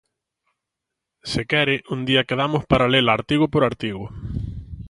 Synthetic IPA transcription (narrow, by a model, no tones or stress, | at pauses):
sekɛɾɪʔund̪iɐkeðamʊspaɾalelaːɾt̪iɣʊpoɾaɾt̪iɣʊ